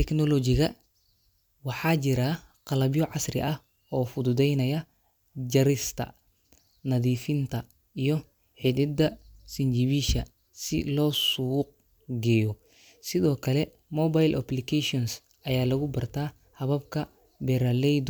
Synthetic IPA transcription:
t̪ʰɛknɔlɔt͡ʃɪɣɐ | wɑħɑːt͡ʃɪɾɐ | qɑlɐbjɔʕɑsrɪ̰ʔɐh | ɔːfʊd̪ʊd̪ɛjnɐjɐ | d͡ʒɐɾɪst̪ʰɐ̰ | nɐðiːfɪnt̪ʰɐ | ijɔ | ħɪd̪ɪd̪ɐsɪnd͡ʒɪβiʃɐ | sɪ̰lɔːsuːq̚ | ɡɛjɔ | sɪðɔːkʰɐlɛ | mɔbajlʔɐplɪkʰɛʃɔns | ʔɐjaːlɐɣʊbɐrt̪ʰaː | hɐβɐbkʰɐ | bɛɾɐlɛjd̪

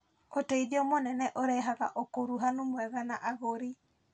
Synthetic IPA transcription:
oteiðiɔmonɛnɛʔoɾɛɦaɣa̰ʔokoɾuɦanomwɛɣanaʔaɣoɾi

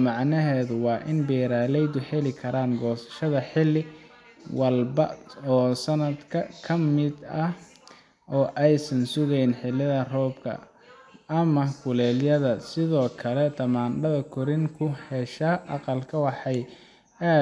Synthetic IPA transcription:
mɑʕnɐɦɛːðʊwɑːʔɪnbɛːɾaːlɛjd̪ʊħɛlɪkʰɐɾaːŋɡɔːsɐ̥ʃɐðɐħɪlːɪ | wɐlbɐɔːsɐnɐd̪kʰɐkʰɐmɪd̪ɐ | ʔɔːʔɛjsɐnsʊɣɛjnħɪlːɪðɐrɔːbkʰɐ̰ | ʔɐmɐkʰʊlɛːljɐðɐsɪðɔːkʰɐlɛt̪ʰɐmaːnɖɐðɐkʰʊɾɪŋkʰʊhɛʃɐːʔɑqɑlkʰɐwɑħɑj | aː

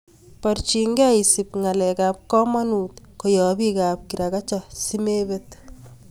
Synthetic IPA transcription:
paɾt͡ʃiŋɡɛisip̚ŋalɛkap̚kɔmanut̪ | kojɔbikap̚kiɾakat͡ʃɔsimebet̪

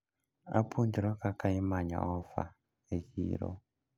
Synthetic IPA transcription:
a̰pʰundiɾɔkakaimaɲa̰ɔfa̰ | ekḭːɾɔ̰

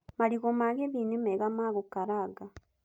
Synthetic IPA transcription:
maliɣomaɣeβiːnumeɣamaːɣukaɾaɡa

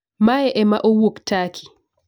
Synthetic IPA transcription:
maɛʔɛmaʔowoktakʰi̥

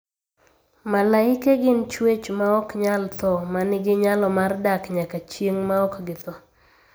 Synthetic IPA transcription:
malaɪkeɡɪnt͡ʃwet͡ʃmaɔkɲalt̪ɔmanɪɡɪɲalɔmardakɲakat͡ʃjeŋmaɔkɡɪt̪ɔ

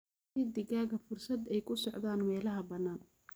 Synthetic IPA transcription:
id̪ɪɣaːɣɐfʊrsɐd̪ɛjkʰʊsɔʕðaːnmɛːlɐɦɐbɐnːaːn

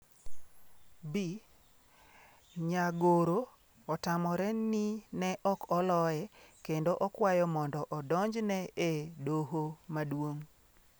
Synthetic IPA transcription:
bi | ɲaɡoɾo | ɔtamɔɾɛninɛʔɔkɔlɔjɛkendoʔɔkwajɔmɔndɔʔɔdɔɲd͡ʒnɛedoɦomadwoŋ

